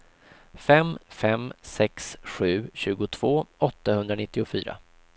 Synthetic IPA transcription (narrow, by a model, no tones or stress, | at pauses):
fɛmfɛmsɛksɧʉ̟ːɕʉ̟ːɡʊt̪ʰv̥oːɔt̪ːahɵnd̪ɾanɪt̪ːɪʊfy̰ːɾa̰